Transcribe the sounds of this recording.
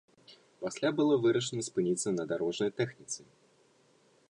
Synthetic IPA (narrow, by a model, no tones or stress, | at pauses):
pasʲlʲabɨlˠɔvɨɾɐʂɨnɐspɨnʲit̪sɐnɐd̪aɾɔʐnɐjt̪ɛxnʲit̪sɨ